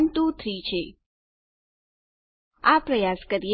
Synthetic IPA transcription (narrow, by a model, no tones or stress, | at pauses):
nt̪ũt̪ʰɾit͡ʃʰe | apɾəjaskəɾie